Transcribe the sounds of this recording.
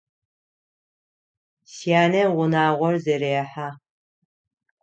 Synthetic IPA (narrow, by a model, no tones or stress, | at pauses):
sijaːnɐʁʷʊnaːʁʷɔrzeɾeɛħaː